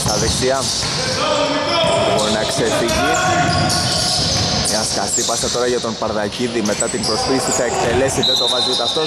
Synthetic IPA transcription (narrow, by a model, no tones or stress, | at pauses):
t̪ɐðekt̪iɐ | bo̞ɾinɐksefiʝis | ɐskɐsipɐset̪o̞ɾɐʝɐt̪o̞npɐɾðɐciðime̞t̪ɐt̪impɾo̞spiisiθɐekt̪e̞le̞siðet̪o̞ɣɐzut̪ɐft̪o̞